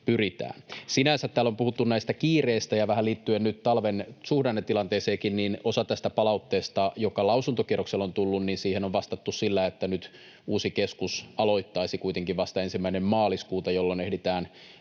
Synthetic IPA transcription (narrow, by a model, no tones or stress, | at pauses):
pyrit̪æ̰ːnsinænsæt̪t̪ːæːlːompuhut̪ːunnæist̪ækiːreːst̪æjɑʋæhælliːt̪ːyennyt̪t̪ɑlʋensuhdɑnːet̪ːilɑnt̪eːseːkinninosɑt̪æst̪æpɑlɑut̪ːeːst̪ɑjokɑlɑusunt̪okierokselont̪ulːunninsiːhenoʋʋɑst̪ɑt̪ːussilːæet̪ːænyt̪ | uːsikeskusɑlo̞it̪ːɑisikuijt̪eŋkiʋʋɑst̪ɑensimːæinemmɑːliskuːt̪ɑjolːonehdit̪æːn